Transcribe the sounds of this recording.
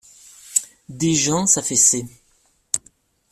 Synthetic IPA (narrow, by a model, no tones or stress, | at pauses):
d̪eʒɑ̃safɛse